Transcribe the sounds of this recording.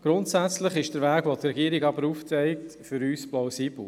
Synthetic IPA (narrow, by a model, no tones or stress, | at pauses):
ɡ̥ɾʊntsæt͡slɪχɪʃd̥əɾvæːɡ̥ʋot̪ɾɛɡiːəɾɪɡɑbəɾuːft͡sɛɪk̚tfʏɾyːsplaʊsiːb̥l̩